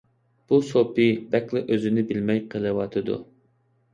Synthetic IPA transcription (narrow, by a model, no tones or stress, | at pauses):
b̥usopɨbɛkʲlˠɨʔøzɪnɪbɪlmɛjqʰəlˠɨwɑt̪ʰɨd̪ṵ